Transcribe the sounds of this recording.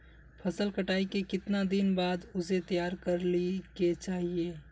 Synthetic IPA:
pʰɐsəlkəʈaːikekɪt̪nad̪ɪnbaːd̪ʊset̪ijaːɾkɐɾliket͡ʃaːɦieː

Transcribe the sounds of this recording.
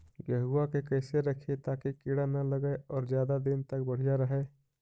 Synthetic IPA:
jəɦuakekəɪseɾəkʰet̪aːkikiɽanələɡəɔːɾd͡ʒjaːd̪ad̪ɪnt̪ək̚bəɽ̤ijaɾəɦɛ

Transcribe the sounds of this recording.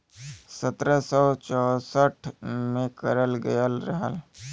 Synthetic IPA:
sət̪ɾəsɔːt͡ʃɔːsəʈʰmẽkəɾəlɡəjəlɾəɦə̰l

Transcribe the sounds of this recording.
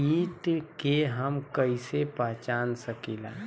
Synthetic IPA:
iːt̪keɦəmkəisepaːt͡ʃaːnsəkiːlã̰ː

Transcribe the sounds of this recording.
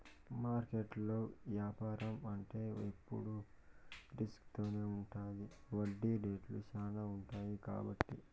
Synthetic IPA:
maːɾkeʈlo̞ːʋjaːpaːɾɐmɐɳʈe̞ːepːṵɽu | ɖiskt̪o̞ːneːuɳʈaːjiʋɐɖːiːɖeːʈlṵt͡ʃaːnɐuɳʈaːjika̰ːbɐʈːi

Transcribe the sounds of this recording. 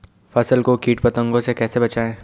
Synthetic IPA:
fɐsəlkokiːʈpɐt̪ə̃ŋɡõsekɛːsebɐt͡ʃaːẽː

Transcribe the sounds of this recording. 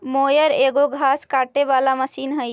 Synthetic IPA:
moːjəɾeːɡoɡʱaːskaːʈeʋaːlaməsiːnɦəj

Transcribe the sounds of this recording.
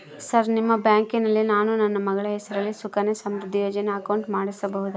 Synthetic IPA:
sɐɾnimːɐbjaːŋkinɐlːinaːnunɐnːɐmɐɡɐɭɐɦɛsɐɾɐlːisukɐnesɐmɾud̪ʱːijoːd͡ʒɐneɐkɐwɳʈmaːɽisɐbɐɦud̪u

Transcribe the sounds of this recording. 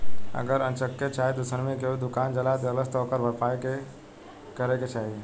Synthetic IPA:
ə̰ɡəɾə̃nt͡ʃəkːet͡ʃaːɦet̪osənmẽkeud̪ʊkaːnd͡ʒəlad̪ələst̪ɔːkəɾbʱəɾpaːeke | kəɾeket͡ʃaːɦie

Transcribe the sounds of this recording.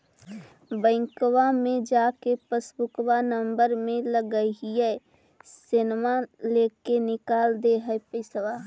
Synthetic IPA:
bə̃ɪŋkwamẽd͡ʒaːkepəsbʊkwanə̃mbəɾmẽləɡəɦiɛ | sɪnmaleːkenɪkaːld̪eɦɛpəɪswa

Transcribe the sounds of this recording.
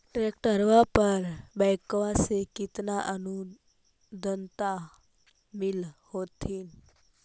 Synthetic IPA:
ʈɾek̚ʈəɾʋapəɾbajkʋasekit̪naʔənu | d̪ʱənt̪a | milhot̪ʰin

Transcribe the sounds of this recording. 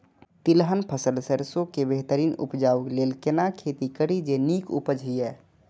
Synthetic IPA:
t̪ɪlɦənpʰəsəlsəɾsõkebeɦt̪əɾiːnʊ̰pd͡ʒaːukleːlkenakʰeːt̪ikəɽid͡ʒeniːkṵpəd͡ʒʱɦiɦɛː

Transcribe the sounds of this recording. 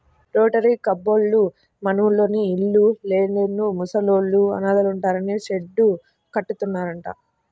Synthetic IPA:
ɾoːʈɐɾiːkɐbːo̞ːlːu | mɐnɐʋulːo̞ːniːɭːuleːnenːumusɐloːɭːuɐ̰naːd̪ɐluɳʈaːɾɐniʃeɖːu | kɐʈːut̪unːaːɾɐɳʈa̰ː

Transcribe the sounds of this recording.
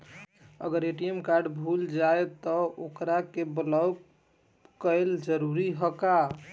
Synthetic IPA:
ə̰ɡəɾeʈijemkaɾɖbʱuld͡ʒaet̪ɔokɾakebəla | kəjld͡ʒəɾuɾiɦəka

